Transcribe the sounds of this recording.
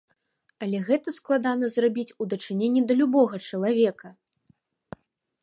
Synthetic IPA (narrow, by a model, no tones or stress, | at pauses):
ɐlʲɛɣɛt̪ɐsklˠad̪anɐzrabʲit͡sʲud̪ɐt͡ʂɨnʲenʲːid̪ɐlʲubɔɣɐt͡ʂɐlˠavʲɛkɐ